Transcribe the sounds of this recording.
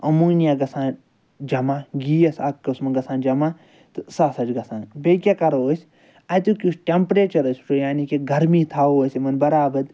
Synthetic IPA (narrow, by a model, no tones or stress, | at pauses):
ɐmuːnijaːɡɐsãːn | d͡ʒɐmaːɡiːɐsakːɐsmɐɡɐsãːnd͡ʒɐmaː | t̪ɨsaːsɐd͡ʒɡɐsãːnbekʲakɐɾooːsʲ | ajt̪ukʲusʈʲempɾeːt͡ʃɐɾɐsʲu̥t͡ʃojaːnikiɡɐɾmiːt̪ʰaːoːsʲimɐnbɐɾaːbɐd̪